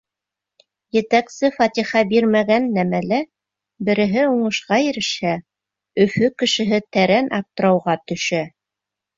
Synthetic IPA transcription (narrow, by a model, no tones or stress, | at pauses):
jɘ̆t̪æksɘfɑt̪ʲiχɑbiɾmæɡænːæmælæ | bɘ̆ɾɘ̆ɦɘuɴɤ̆ʃqɑjɘ̆ɾɘ̆ʃhæ | ɵ̆fɵkɘ̆ʃɘ̆ɦɘt̪æɾænʔɑp̚t̪ɤ̆ɾɑwʁɑt̪ɵ̆ʃæ